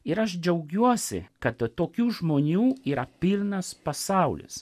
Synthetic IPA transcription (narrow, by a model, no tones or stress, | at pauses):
ɪɾɐʃd͡ʒʲɛʊɡʲuɔsʲɪ̰kɐt̪t̪ːoːkʲuːʒmoːnʲuːiːɾɐpʲɪlʲˠnɐspɐsɑˑʊlʲɪ̰s